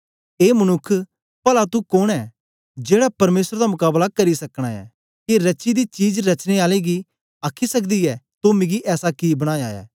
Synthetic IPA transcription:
eːmɐnʊkʰː | pɐlat̪ukoɽ̃ɛː | d͡ʒeːɽapɐɾmeːsɾd̪amʊkaːblakɐɾisɐkɽ̃aɛ̰ː | kiɾɐt͡ʃid̪it͡ʃiːd͡ʒɾɐt͡ʃñeaːleɡi | akʰːisɐkd̪iɛt̪ʊmĩɡiʔɛːsakibɐɽ̃aːjaːɛ̰ː

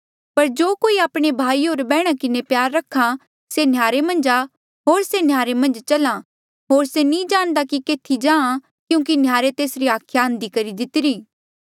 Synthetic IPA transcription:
pɐɾd͡ʒoːkoːiaːpɽ̃ebʱaːiɦoːɾbɛːɽ̃akɪnepjaːɾːɐkʰːa | senjaːɾemɐ̃nd͡ʒa | ɦoːɾsenjaːɾemɐ̃nd͡ʒt͡ʃɐlã | ɦoːɾsenĩd͡ʒaːɽ̃d̪akikeːt̪ʰid͡ʒãːã | kjũːk̬injaːɾet̪eːsɾiaːkʰjaɦɐ̃nd̪ikɐɾid̪ɪt̪ɪɾiː

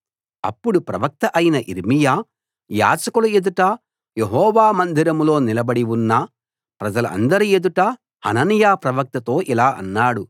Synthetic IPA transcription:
ɐ̰pːuɽupɾɐʋɐk̚t̪ɐʔɐjinɐʔḭɾmijaː | ja̰ːd͡ʒɐkulɐed̪uʈɐ | jeɦɔːʋaːmɐnd̪ʱiɾɐmlo̞ːnilɐbɐɽiwunːɐ | pɾɐd͡ʒɐlɐɐ̰nd̪ɐɾie̞d̪uʈɐ | hɐ̰nɐnijaːpɾɐʋɐk̚t̪ɐt̪o̞ːʔilaːʔɐ̰nːaːɽu

